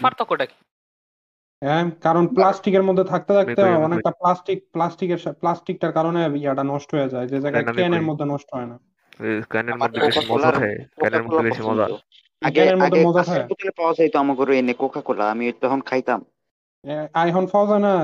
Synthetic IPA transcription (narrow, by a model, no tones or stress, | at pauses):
faɾt̪ʰɔkoɖaki̥ | ɛkaɾonplasʈikeɾmod̪ʱːet̪ʰak̚t̪et̪ak̚t̪eɦɔeɔnek̚ʈaplasʈik̚plasʈikeɾʃaplasʈik̚ʈaɾkaɾonebiaʈanɔʃʈoɦojed͡ʑaed͡ʑed͡ʑajɡaekɛneɾmod̪ʱːenɔʃʈoɦɔena | nd̪kokʰaklaɾkakolaɾpɔnt̪o̰ | akɛneɾmod̪ʱːemɔd͡ʑaɦɔeut̪ʰilepawazajt̪oamakoɾuenekokʰakola̰amiot̪ɔɦɔnkʰajt̪am | ɛajɦɔnfazajna